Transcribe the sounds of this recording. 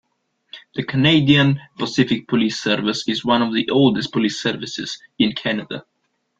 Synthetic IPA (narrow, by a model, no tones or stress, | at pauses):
ðəkʰəneɪdiə̃npəsɪfɪk̚pʰəliˑsɜɹvɪsɪzwʌ̃nɔvðiʔoʊlˠdɨspʰəlisɜ˞vɪsɪ̰z̥ | ɪ̃nkʰænədə̰